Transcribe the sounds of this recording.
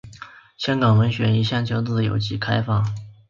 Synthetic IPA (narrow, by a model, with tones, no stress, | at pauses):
ɕjɑ˥ŋkɡɑ˨˩ŋwə˧˥nɕɥɛ˧˥ni˧˥ɕjɑ˥˩ŋt͡ɕʰjo˧˥ʊt͡s̩˥˩d̪ə˩jo̰˨˩ʊt͡ɕi˥˩kʰa˥ɪfɑ˥˩